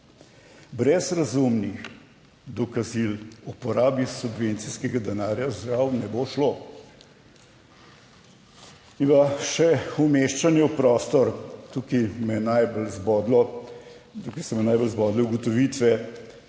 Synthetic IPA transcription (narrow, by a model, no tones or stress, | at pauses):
bɾɛzɾɐzumnix | d̪ɔkazilupɔɾaːbisubʋent̪siskɛɡad̪ɛnaːɾjazɾawnɛboʃlo | inpaʃɛumeʃt͡ʃanjɛwpɾɔːst̪ɔɾt̪ukimɛnajbəlzbɔd̪lɔ | t̪ukisɛmɛnajbəlzbɔːd̪lɛuɡɔt̪ɔʋit̪ʋɛ